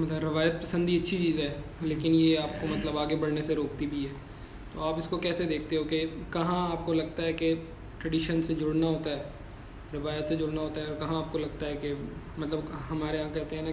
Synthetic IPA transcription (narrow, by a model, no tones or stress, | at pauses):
mɐt̪ləbɾɪʋaːjət̪̚pɐsə̃nd̪iɐtːʃʰit͡ʃiːzɦɛːleːkɪnjeaːp̚komɐt̪ləbaːɡebɐɽneseɾoːkt̪ibʱiɦɛː | t̪oaːpɪskokɛːsed̪eːkʰt̪eɦokekɐɦãaːp̚kolɐɡ̚t̪aɦɛke | ʈɾɐɖiːʃənsed͡ʒʊɽnaɦoːt̪aɦɛː | ɾɪʋaːjət̪sed͡ʒʊɽnaɦoːt̪aɦɛɔːɾkɐɦãaːp̚kolɐɡ̚t̪aɦɛke | mɐt̪ləbɦɐmaːɾeɦãkɛɦt̪eɦɛ̃na